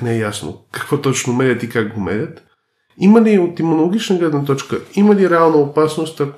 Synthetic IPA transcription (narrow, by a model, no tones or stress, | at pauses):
neːjasno̰kakʋot̪ot͡ʃnomeɾʲat̪ikakɡomḛɾʲat̪ | imaliot̪imonoloɡit͡ʃnaɡlɛd̪nat̪ot͡ʃkaimaliɾealˠnaopasnost̪a